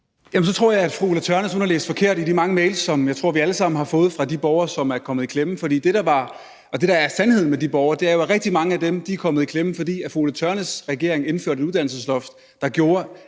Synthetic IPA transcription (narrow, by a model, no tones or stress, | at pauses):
jæmns̬ɒ̽t͡sʰʁo̝ɐ̰jɑɪæd̥fʁuulæt͡sʰœɐnəsonɐlḛːsd̥fɒ̽kʰe̝ɐ̰ɾ̥idimɑ̈ŋəmeɪlsːɒ̽mjɑ̈ɪt͡sʰʁo̝ɐ̰ʋiæləsɑ̈m̰n̩hɑ̈fɔ̽ːð̩ˠfʁɑ̈d̥ib̥ɒʊɐsɒ̽mæɐkʰɒ̽mð̩ˠikʰlemn̩fɒ̽dḭːd̥e̝ɾ̥ɑ̈ʋɑ̈ | ʔɒ̽d̥e̝ɾ̥ɑ̈æɐsænhe̝ð̰ˠn̩medib̥ɒʊɐd̥e̝æɐjo̝ʁɛɡ̥̚d̥imɑ̈ŋəæd̥emd̥ikʰɒ̽mð̩ˠikʰlem̩fɒ̽d̥ḭːæfʁulæt͡sʰœɐnəsʁɛɡ̥e̝ɐeŋe̝nføɐ̰d̥ɾe̝ɾuð̥ˠæn̰l̩səslɒfd̥ | d̥ɑ̈ɡ̥jo̝ːɐ